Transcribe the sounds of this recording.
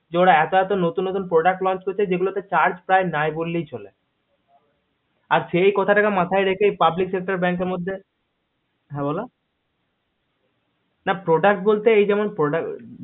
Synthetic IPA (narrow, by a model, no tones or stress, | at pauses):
d͡ʑeoɽaɛt̪oɛt̪onot̪unːot̪unpɾoɖak̚ʈlɔnt͡ɕkoɾt͡ɕʰed͡ʑeɡulot̪et͡ɕaɾd͡ʑpɾaenaebolːijt͡ɕolḛ | aɾʃejkɔt̪ʰaʈakamat̪ʰaeɾekʰejpabliksek̚ʈaɾeɾbɛŋkeɾmod̪ʱːe | ɦɛ̃bɔla | napɾoɖak̚ʈ̚bolt̪eejd͡ʑɛmonpɾoɖak